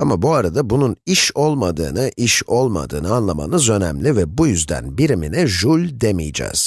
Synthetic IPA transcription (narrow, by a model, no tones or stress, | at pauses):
amabuaɾad̪abununiʃo̞lˠmad̪ɯ̰ːnɯʔiʃo̞lˠma̰d̪ɯ̰ːnɯanlˠama̰nɯzø̞nɛmlʲivɛbujyzd̪æ̰nbiɾiminɛʒulʲd̪emḭjd͡ʒɛ̰ːz̥